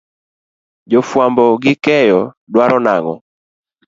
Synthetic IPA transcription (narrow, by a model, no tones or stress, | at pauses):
d͡ʒofwambɔɡɪkɛjɔ | dwaɾɔnaŋɔ̰